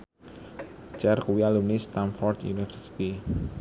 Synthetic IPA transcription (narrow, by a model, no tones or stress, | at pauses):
t͡ʃɛrkuwjalunist̪anfɔrd̪jṵnifəɾsi̥t̪i